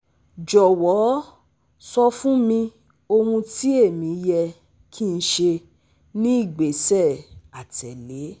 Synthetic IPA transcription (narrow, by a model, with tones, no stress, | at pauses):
d͡ʒɔ˨wɔ˨˦ | sɔ˧fũ˦mĩ˧ | o˧ɾũ˧ti˦e˦˨mĩ˨˦jɛ˧ | kʰi˦n̩˧˦ʃe˧ | nĩ˦i˦˨ɡ͡be˨sɛ˦˨a˨tʰɛ˨le˨˦